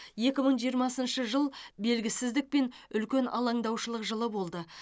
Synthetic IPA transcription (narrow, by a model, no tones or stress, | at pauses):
je̞kʲɪməɴʒijəɾmɑsənʃəʒəlˠbe̞lɡʲɪsɪzd̪ɪk̚pe̞nʏlkʲe̞nʔɑlˠɑɴd̪ɑwʃəlˠəqʒəlˠəbo̞lˠd̪ə